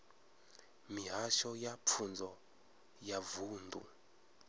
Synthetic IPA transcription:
miɦaʃɔjap̪fʰund͡zʱɔ | javuːnd̪ʱṵ

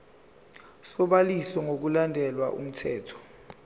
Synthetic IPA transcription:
sɔɓalisɔŋok̬ulandʱɛlwaʔṵm̩tʰɛːtʰɔ̥

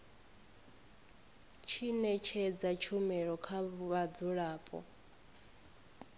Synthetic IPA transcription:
t͡ʃʰinɛt͡ʃʰɛd͡zat͡ʃʰumɛɺɔkʰaβad͡zuɺaːpʼɔ̰

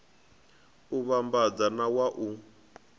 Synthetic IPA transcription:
uβambad͡zanawaʔu

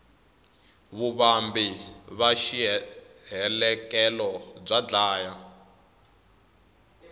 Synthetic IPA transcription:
βuβambiβaʃi | ɦɛlɛkɛlɔb͡ʐad͡ɮaːja

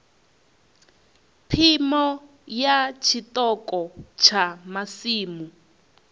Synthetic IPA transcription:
pʰimɔ | jat͡ʃʰit̪ɔkʼɔt͡ʃʰamasiːmu

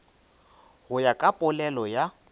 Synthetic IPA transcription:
ɣʊjakʼapʼʊlɛlɔja

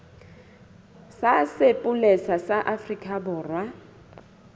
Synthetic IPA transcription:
sasepʼʊlɛsasaʔafrikʼabʊːrwa

